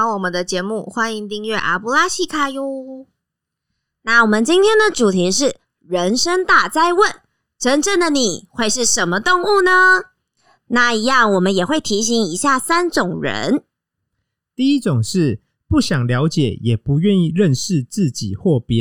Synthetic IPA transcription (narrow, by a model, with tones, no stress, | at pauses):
wɔ˨˩mə˦nd̪ə˧t͡ɕjɛ˧˥mu˥˩xwa˥ni˧˥ŋt̪i˥˧ŋɥɛ˥˩ʔa̰˧˥pu˧˥la˥ɕʰi˥˧kʰa˥˧ju˥ | na˥˩wɔ˨˩mə˨˦nt͡ɕi˥nt̪ʰjɛ˥nd̪ə˨ʈ͡ʂu˨˩t̪ʰi˧˥ʂɻ̩˥˩ | ɻə˧˦˥nʂə˥ŋt̪a˥˩t͡sa˥˧ɪwə˥˨n | ʈ͡ʂə˥nʈ͡ʂə˥˩nd̪ə˨˩ni˨˩xwe˥˧ɪʂɻ̩˥˩ʂə˧˥nmə˧t̪ʊ˥˧ŋu˥˩nə˩ | na˥˩i˧˥jɑ˥˩ŋwɔ˨˩mə˦njɛ˨˩xwe˥˩ɪt̪ʰi˧˥ɕ̬i˧˥ŋi˧˥ɕja˥˩sa˥nʈ͡ʂʊ˨˩ŋɻə̰˧˦n | t̪i˥˩i˦˥ʈ͡ʂʊ˨˩ŋʂɻ̩˥˩ | pu˥˩ɕjɑ˨˩ŋljɑ˧˦ʊt͡ɕjɛ˨˩˦jɛ˨˩pu˨˦ɥɛ˥˧ni˥˧ɻə˥˨nʂɻ̩˥˨t͡sɹ̩˥˨t͡ɕḭ˨˩xwɔ˥˩pjɛ˦